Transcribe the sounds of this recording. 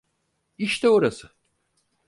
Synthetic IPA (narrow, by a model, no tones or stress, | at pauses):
iʃt̪ʰɛoɾasɯ